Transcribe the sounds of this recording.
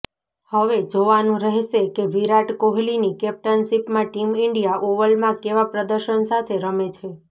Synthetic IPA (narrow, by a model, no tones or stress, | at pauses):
həʋed͡ʒoʋanũɾəɦʃekeʋiɾaʈkoɦlinikɛp̚ʈənʃipmãʈimɪɳɖijaʔoʋəlmãkeʋapɾəd̪əɾʃənsat̪ʰeɾəmet͡ʃʰe